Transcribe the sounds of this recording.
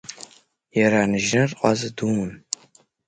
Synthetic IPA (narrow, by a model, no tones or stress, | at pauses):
jɛɾaːnɨʒnɐrqʷʼɑzɨdumɨn